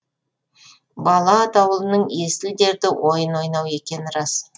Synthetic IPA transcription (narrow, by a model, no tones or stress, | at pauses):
bɑlˠɑt̪ɑwəlˠənəɴest̪ɪld̪e̞ɾd̪ɪwʔo̞jənwo̞jnɑwe̞kʲe̞nɪɾɑs